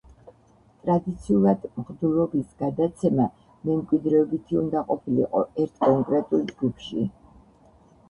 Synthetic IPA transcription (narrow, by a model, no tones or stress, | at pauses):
t̪ʼɾad̪it̪sʰiulˠad̪mχd̪ulɔbisɡ̥ad̪at̪sʰɛma | mɛmkʼwid̪ɾɛɔbit̪ʰiund̪aqʼɔpʰilḭqʼɔ̰ɛɾt̪ʰkʼɔŋkʼɾɛt̪ʼulˠd͡ʒɡupʰʃḭ